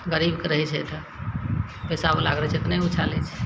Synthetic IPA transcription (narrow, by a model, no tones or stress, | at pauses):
ɡəɾibkeɾəɦɛt͡ʃʰɛt̪ə | pɛsabolaɡɾɛt͡ʃʰet̪naiut͡ʃʰalɛt͡ʃʰ